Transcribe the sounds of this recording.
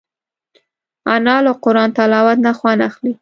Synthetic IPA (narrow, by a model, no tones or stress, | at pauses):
anɑlaqʊɾɑnt̪alɑwat̪naxwanaxli